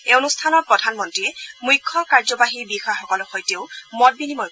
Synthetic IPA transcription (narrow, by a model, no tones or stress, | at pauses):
eonustʰanɔɹpɹɔdʱanmɔntɹiɛmujkʰːɔkaɹzɔbaɦibixaxɔkɔlɔxojteʊmɔt̚binimɔ